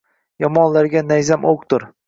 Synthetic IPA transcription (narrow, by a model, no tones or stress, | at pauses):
jɒmɒnlaɾɡʲanajzamʔok̚t̪ʊɾ